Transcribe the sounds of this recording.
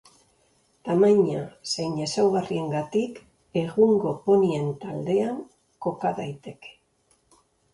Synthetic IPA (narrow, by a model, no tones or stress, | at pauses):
t̪amaɲasejɲesawɣarie̞ŋɡat̪ik | e̞ɣuŋɡo̞po̞nie̞nt̪ald̪e̞aŋ | ko̞kaðajt̪e̞ke̥